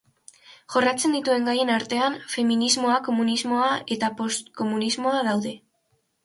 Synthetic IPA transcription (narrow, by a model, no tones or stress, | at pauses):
ʝo̞rat͡se̞nd̪it̪ue̞ŋɡaje̞naɾt̪e̞anfe̞minizmo̞ako̞munizmo̞ae̞t̪apo̞st̪ko̞munizmo̞aðawðe̞